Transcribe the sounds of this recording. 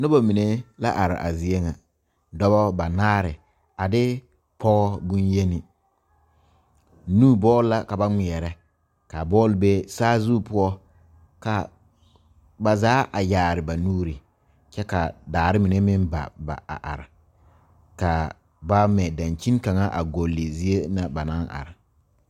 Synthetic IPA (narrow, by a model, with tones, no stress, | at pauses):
nʊ˦ba˨mi˨ne˦la̰˦ʔa˨ɾɪ̰˨ʔa̰˨zi˨e˦ŋa˨ | dɔ˦βɔ˦ba˨naː˦ɾɪ˨ | a˨dɪ˦ | pʰɔ˦ɣɔ˦bu˦nje˦nɪ˨ | nuː˦bɔː˦lla˨ka˨ba˦ŋ͡mɪ˨ɛ˨ɾɛ˦ | ka˨bɔː˦lɪ˨be˦saː˦zu˦pʊ˦ɔ˦ | ka˨ | ba˨zaː˨˦ʔa˨jaː˨ɾɪ˨ba˨nuː˦ɾi˨ | t͡ʃɛ˦ka˨daː˨ɾɪ˦mi˨ne˦mɪ˦nba̰˨ba̰˨a̰˨ʔa̰˨ɾɪ˨ | ka˨ | ba˦mɛ˨da˨nt͡ʃi˦n˦ka˨ŋa˦ʔa˨ɡo˨lːɪ˨zi˦e˦na˨ba˨na˦nʔa̰˨ɾɪ˨